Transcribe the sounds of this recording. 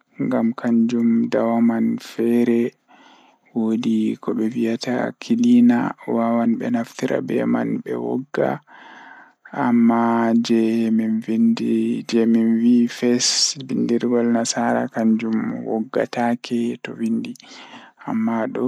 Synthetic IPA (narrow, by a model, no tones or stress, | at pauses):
ŋɡamkʰaɲd͡ʒumdawamanfɛɾɛ | wodikɔɓɛvijata̰kʰilinawawanɓɛnaftiɾʔa̰bɛma̰nbɛ̰wɔ̰ɡːa̰ | amːad͡ʒɛminvindid͡ʒɛminvifɛsbindiɾɡɔlnasaɾa̰kaɲd͡ʒumwɔ̰ɡːa̰takʰɛtɔvindi | amːaɗɔ